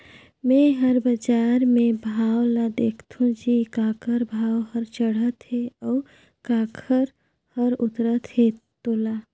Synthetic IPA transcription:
mɛ̃ɦəɾbəd͡ʒaːɾmẽbʱaːwlad̪eːkʰt̪ʰũd͡ʒikaːkʰəɾbʱaːwhəɾt͡ʃəɽ̤ət̪ɦeɔːɾ | kaːkʰəɾ | həɾʊt̪ɾət̪het̪oːla

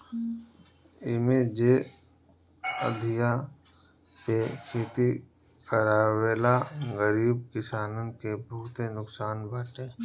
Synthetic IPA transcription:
ɪmed͡ʒe | ə̰d̪ʱija | pekʰeːt̪i | kəɾaːweːlaɡəɾiːb̚kɪsaːnənkebʱʊːt̪enʊksaːnbaʈeː

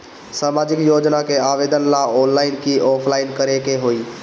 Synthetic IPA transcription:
saːmaːd͡ʒɪkjoːd͡ʒnakʰeaːʋeːd̪ənlãɔːnlaːɪnkʰiʔɔːpʰlaːɪnkəɾekeɦoiː

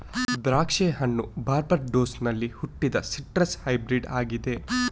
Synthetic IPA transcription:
d̪ɾaːkʂeːɦɐɳːubaːɾbɐɾɖoːsnɐlːihuʈːid̪ɐsiʈɾɐshɐjbɾiɖaːɡid̪e̞

